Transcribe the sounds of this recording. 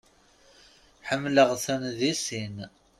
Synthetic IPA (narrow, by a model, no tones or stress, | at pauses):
ħəmːləʁθænðisin